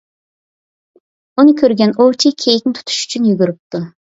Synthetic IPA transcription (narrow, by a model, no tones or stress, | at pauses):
unɨkʲʰøɾɡʲɛnot͡ʃʰikʲʰejik̚ʲnɪt̪ʰu̥t̪ʰu̥ʃy̥t͡ʃʰynjyɡʲyɾyp̚t̪u